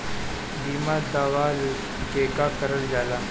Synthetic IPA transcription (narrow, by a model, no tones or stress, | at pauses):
biːmad̪aʋaːl | kekakəɾəld͡ʑaːla